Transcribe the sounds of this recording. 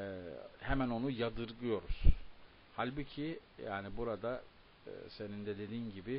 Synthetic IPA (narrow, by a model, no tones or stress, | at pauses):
ɛhemæno̞nujad̪ɯɾɡɯjo̞ɾuz̥ | halʲbucʰija̰ːnibuɾad̪a | ɯ̰se̞nind̪ɛd̪e̞d̪iːnɟibɪ